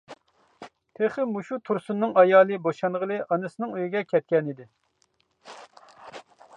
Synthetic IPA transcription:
t̪ʰeχɨmuʃut̪ʰuɾsunːɨŋɑjɑːlˠɨboʃɑnʁəlˠɨʔɑnɨsɨnɨŋøjiɡʲɛkʲʰɛt̪̚kʲɛnid̪ɪ

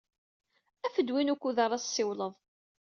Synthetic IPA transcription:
æfəd̪winukʷːuðɑɾˤɑsːɪwləðˤ

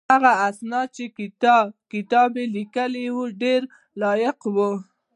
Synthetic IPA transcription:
haɣaasnɑt͡ʃe | kɪt̪ɑbelikəlewuɖeɾ | lɑjɪqwu

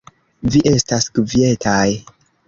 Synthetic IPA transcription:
viʔe̞staskvie̞tʰaj

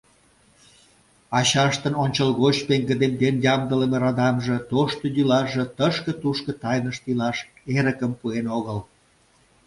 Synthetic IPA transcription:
ɑɕɑʃt̪ənonʲt͡ɕəlɣot͡ɕpeŋɡə̆d̪end̪enjɑmd̪əlemeɾɑd̪ɑmʒə̆t̪oʃt̪ojylɑʒə̆t̪əʃkə̆t̪uʃkə̆t̪ɑjnəʃt̪ilɑʃ | eɾə̆kəmpuenoɣəl

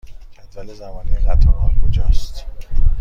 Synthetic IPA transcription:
cʰæt̪vælezæmɒːnijeʁæt̪ʰɒɾɒːlkʰod͡ʒɒːst̪

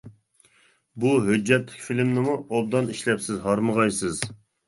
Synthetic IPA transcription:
buɦød͡ʒːɛt̪lɪ̥kʲfilmnɪmuol̚d̪ɑniʃlɛpsɪzɦɑɾməʁɑjsɨz

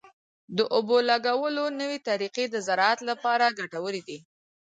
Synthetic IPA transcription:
d̪əʔobolaɡawəlonəwet̪aɾiqed̪əzaɾɑat̪lapɑɾaɡaʈawəɾid̪i

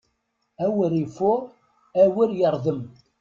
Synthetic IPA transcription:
æwəɾifʊ | æwiɾjəɾˤðəm

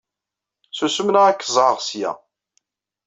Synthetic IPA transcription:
susəmnaækːəzˤʕəʁsjæ̰

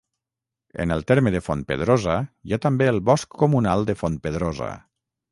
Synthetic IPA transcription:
ə̰nəlˠt̪eɾməðəfonpə̰ðɾozəjat̪əmbeəlˠβɔskːumunalˠd̪əfonpəðɾozə̰

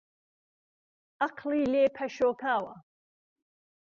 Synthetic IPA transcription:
aqʰliːleːpʰɐʃoːkʰaːwɐ

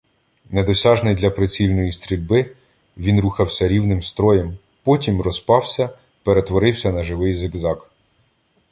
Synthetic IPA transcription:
ned̪ɔsʲɑʒnɪjd̪ʲlʲɐpɾet͡sʲilʲnɔjist̪ɾʲilʲbɪ | ʋʲinɾuxɐwsʲɐɾʲiwnɪmst̪ɾɔjem | pɔtʲimrɔspɑwsʲɐ | peɾet̪ʋɔɾɪwsʲɐnɐʒɪʋɪjzɪɡzɑk

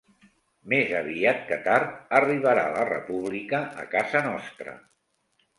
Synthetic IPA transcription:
mezəβiat̪̚kət̪aɾt̪əriβəɾa̰lərə̰puβlikəʔːkazənɔst̪ɾə̰

